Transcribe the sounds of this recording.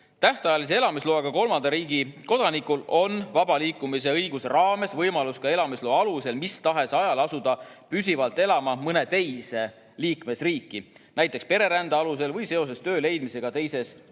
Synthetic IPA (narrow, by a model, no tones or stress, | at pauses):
t̪æht̪ɑjɑlis̬ee̞lɑmisloːɑɡ̥ɑko̞lmɑnd̪ɑɾiːɡiko̞d̪̥ɑnikulo̞nvɑbɑliːkːˑumise̞ɤjɡ̥usrɑːme̞svɤjmɑluskɑe̞lɑmislo̞ːɑluse̞lmist̪ɑɦe̞sɑjɑlɑsud̪̥ɑpysivɑlt̪ːˑe̞lɑmɑmɤne̞t̪e̞jse̞ | liːkme̞sriːkːˑinæjt̪ˑːekspe̞ɾe̞ɾænd̪ɑɑluse̞lvɤjse̞o̞s̬e̞st̪ø̞ːle̞jd̪̥mise̞ɡ̥ɑt̪e̞jse̞s